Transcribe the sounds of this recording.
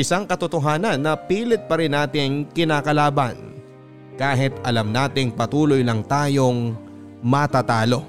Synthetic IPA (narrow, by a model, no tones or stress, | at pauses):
ʔɪsaŋkɐt̪ot̪oɦaːnɐnːɐpiːlɪt̪̚pɐɾɪnːaːt̪ɪŋkɪnaːkɐlaːbɐ̰n | kaːɦɪt̪ʔɐlɐmnaːt̪ɪŋpɐt̪uːlojlɐŋt̪aːjoŋ | mɐt̪aːt̪aːlo̞